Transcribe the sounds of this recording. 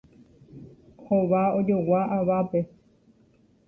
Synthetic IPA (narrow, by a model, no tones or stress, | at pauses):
hoʋaod͡ʒowaʔaʋape